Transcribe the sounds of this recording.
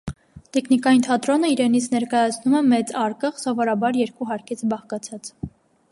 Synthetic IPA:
t̪ɛkʰnikɑjint̪ʰɑt̪ɾɔnəiɾɛnit͡sʰnɛɾkɑjɑt͡sʰnumɛmɛt͡sɑɾkəχsɔvɔɾɑbɑɾjɛɾkuɦɑɾkʰit͡sʰbɑχkɑt͡sʰɑt͡s

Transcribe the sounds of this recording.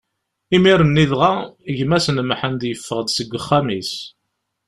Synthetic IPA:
imiɾənːiðʁaəʝmæsənmħənd̪jəfːəʁd̪səɡʷːəχːamis

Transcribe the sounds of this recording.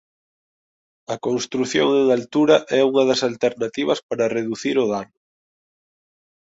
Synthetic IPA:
ɐkõnst̪ɾuθjoŋeŋalt̪uɾɐʔɛuŋɐðɐsalt̪eɾnat̪iβɐspaɾɐreðuθiɾʊðanʊ

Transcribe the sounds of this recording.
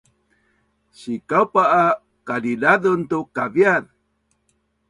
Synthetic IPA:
sikawpaː | kadidaðunt̪ukaviað

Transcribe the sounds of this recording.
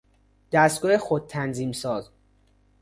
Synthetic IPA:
d̪̥æst̪ɡɒːhexod̪̚t̪ʰænziːmsɒːz

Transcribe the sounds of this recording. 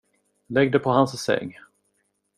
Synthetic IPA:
lɛɡ̚d̪əpʰɔhanssɛ̰ŋː

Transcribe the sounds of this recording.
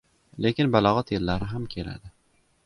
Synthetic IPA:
le̞kʲɪnbalɒʁɑt̪elːaɾɪɦamkʲʰe̞la̰d̪ɪ

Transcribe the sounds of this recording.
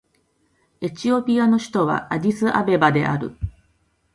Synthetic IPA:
e̞t͡ɕio̞pʲiano̞ɕi̥t̪o̞βa̰adʲisɨʔa̰be̞bad̪e̞ʔa̰ɾɯ̟̰

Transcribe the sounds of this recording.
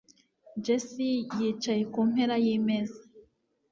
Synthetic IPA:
d͡ʒesijit͡ʃajekum̥heɾajimeza

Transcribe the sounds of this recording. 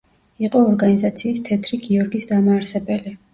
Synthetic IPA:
iqʼɔːɾɡanizat̪sʰiːst̪ʰɛt̪ʰɾiɡiɔɾɡisd̪amaːɾsɛbɛli

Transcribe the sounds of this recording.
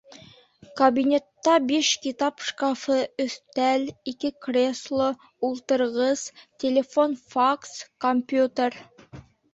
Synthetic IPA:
kɐbinʲe̞t̪ːɑbeʃkʲit̪apʃkafəɵθt̪ælikʲɪkrʲeslˠo | ulˠt̪əɾʁəstʲʰelʲe̞fo̞nfakskomʲpʲjut̪ʲer

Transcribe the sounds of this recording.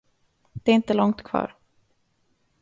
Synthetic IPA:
d̪̥ɛːɾɪnt̪əlɔŋt̪kʰvɑ̰ːɾ

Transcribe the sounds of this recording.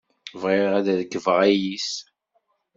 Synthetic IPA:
vʁeʁæðæðəɡəvʁæjis

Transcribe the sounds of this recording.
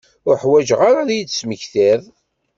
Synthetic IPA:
ʊɾħwæʒʁaɾaðjit͡sːsməçθeðˤ

